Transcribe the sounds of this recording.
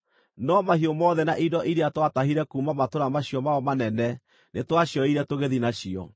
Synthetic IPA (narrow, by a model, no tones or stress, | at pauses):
nɔmahijomɔðɛnaʔidɔʔiɾeatwataɦiɾɛkumamatoɾamaɕiɔmaɔmanɛnɛ | netwaɕjɔiɾɛtoɣeðinaɕiɔ̰